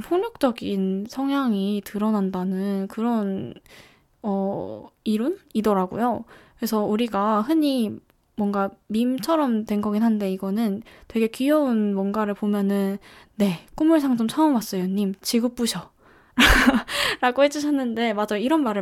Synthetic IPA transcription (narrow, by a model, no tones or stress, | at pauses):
pʰoŋɲuk̚t͡ɕ͈ʌɡinsʰʌŋɦjaŋitɯɾʌnandanɯnkɯɾʌn | ʌiɾunidʌɾaɡo̰jokɯɾesʰʌuɾiɡahɯɲi | mwʌnɡamimt͡ɕʰʌɾʌmtwe̞nɡʌɡinɦannde̞iɡʌnɯntwe̞ɡe̞kijʌunmwʌnɡaɾɯɭpomjʌnɯnː | e̞k͈umuɭs̬ʰaŋd͡ʑomt͡ɕʰʌʌmas͈ʌjoɲimt͡ɕiɡup͈uɕʰʌ | ɾaɾaɡohe̞d͡ʑuɕʰʌnːɯnde̞mad͡ʑaiɾʌnmaɾɯ